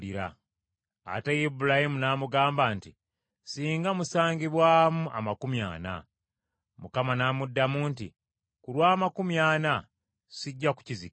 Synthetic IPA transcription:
iɾa̰ | a̰tejibulahimunaːmuɡaːmbaːnti | siːŋɡamusaːŋɟiβwaːmuʔa̰makumja̰ːna̰ | mukamanaːmudːamuːntḭ | kulwaːmakumjaːna | siɟːaku̥cizik

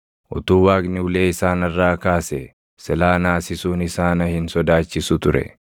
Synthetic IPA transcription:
ʔʊt̪uːwaːɡnɪːleːɪsaːnɐrːaːkaːsɛ | sɛlaːnaːsɪsuːnɪsaːnɐhɪnsɔd̪aːt͡ʃːɪsʊt̪ʊɾɛ̰

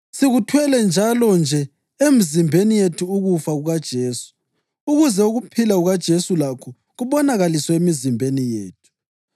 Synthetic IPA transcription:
siɣutʰwɛlɛnd͡ʒʱalɔnd͡ʒʱɛ | emizimbʱenijetʰuːɣufaɣuɣad̥ʒ̥ʱeːsu̥ː | ɣuzɛuɣupʰilaɣuɣad̥ʒ̥ʱesulakʰɔ | ɣuβɔnaɣalisɔemizimbʱenijeːtʰu̥

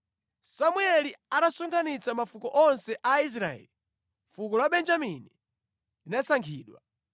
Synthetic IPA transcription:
samuɛliaɗasuŋɡanit͡samafukɔʔɔnsɛʔais̬ɾaɛ̰li | fuk̬ɔlaɓɛnd͡ʒamini | linasaŋkʰiːɗwa̰

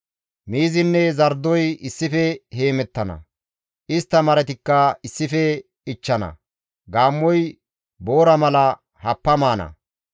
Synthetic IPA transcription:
miːzɪnːɛzɐɾd̪ɔjɪsːɪfɛhe̞ːmɛt̪ːɐnɐ̰ | ʔɪst̪ːɐmɐɾɛt̪ɪkːɐɪsːɪfɛ | ɪt͡ʃːɐnɐ̰ | ɡaːmːɔj | bo̞ːɾɐmɐlɐ | hɐpːɐmaːnɐ̰

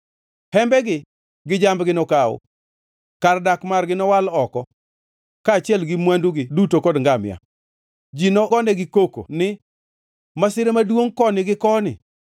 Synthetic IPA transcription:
hɛmbɛɡɪ | ɡɪd͡ʒambɡɪnɔkaʊ̰ | kardakmarɡɪnɔwalɔkɔ | kaːt͡ʃɪɛlɡɪmwanduɡɪdutokɔdŋɡamja̰ | d͡ʒinɔkɔnɛɡɪkoko̰nɪ | masɪɾemadwoŋkɔnɪɡɪkɔnɪ̰

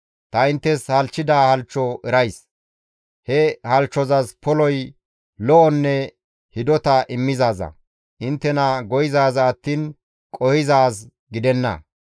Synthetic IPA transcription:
t̪ɐɪnt̪ːɛshɐlt͡ʃːɪd̪aːhɐlt͡ʃːɔʔɛɾɐjs | hɛhɐlt͡ʃːɔzɐspʰɔlɔj | lɔʔɔnːɛ | hɪd̪ɔt̪ɐʔɪmːɪzaːzɐ̰ | ʔɪnt̪ːɛnɐɡɔjɪzaːzɐːt̪ːiːn | kʼɔhɪzaːs | ɡɪd̪ɛnːɐ̰

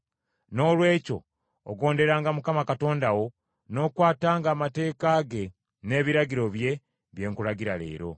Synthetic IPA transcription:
no̞ːlwe̞ːco̞̰ː | ɡo̞ːnde̞ɾaːŋɡamukamakato̞ːndawo̞ | no̞ːkwaːtaːŋɡaːmate̞ːkaːɡe̞ | ne̞ːβiɾaɟiɾo̞βje̞ | βje̞ːŋkuɾaɟiɾale̞̰ːɾo̞̰

